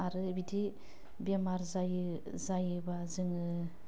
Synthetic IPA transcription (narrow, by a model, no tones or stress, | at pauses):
aɾɯbidi | bemaɾzaj | zajɯbazɯŋɯ